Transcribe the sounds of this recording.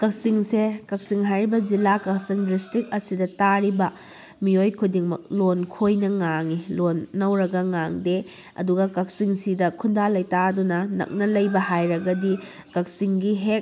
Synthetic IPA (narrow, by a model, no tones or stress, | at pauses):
kɐk̚siŋsekɐk̚siŋɦajɾibɐzilakɐk̚siŋdistik̚ɐsidɐtaɾibɐ | miojkʰudiŋmɐ̰k̚lonkʰojnɐŋaŋilonːɐwɾɐɡɐŋaŋde | ɐ̰duɡɐkɐk̚siŋsidɐkʰundalɐjtadunɐnɐ̰k̚nɐlɐjbɐhajɾɐɡɐdi | kɐk̚siŋɡiɦek̚